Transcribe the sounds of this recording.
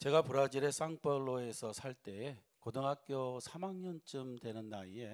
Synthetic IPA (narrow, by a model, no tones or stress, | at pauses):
t͡ɕe̞ɡapuɾad͡ʑiɾe̞s͈aŋp͈ʰʌɭːoe̞sʰʌsʰaɭt͈e̞ | kodoŋɦak̚k͈josʰamaŋɲʌnt͡ɕ͈ɯmdwe̞nɯnːaie̞